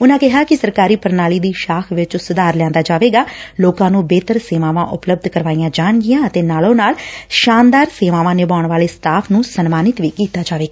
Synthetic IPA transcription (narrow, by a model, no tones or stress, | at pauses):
ʊnãːkɪɦaːkɪsəɾkaːɾiːpəɾnaːliːd̪iːʃaːkʰʋɪt͡ʃsʊd̪aːɾlɛ̃ːnd̪aːd͡ʒaːʋeːɡaːloːkãːnũːbeːt̪əɾseːʋaːʋãːʔʊpləb̚d̪kəɾʋaːijãːd͡ʒaːɳɡɪjãːət̪eːnaːlõːnaːlʃaːnd̪aːɾseːʋãːʋãːnɪbaːʊɳʋaːleːsʈaːpʰnũːsənmaːnɪt̪ʋiːkiːt̪aːd͡ʒaːʋeːɡaː